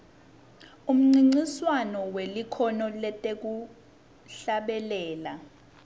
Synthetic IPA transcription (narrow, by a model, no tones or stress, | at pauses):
um̩ŋ͡ǀiŋ͡ǀiswanɔwelikʰɔnɔlɛtʼek̬u | ɬaɓɛlɛːla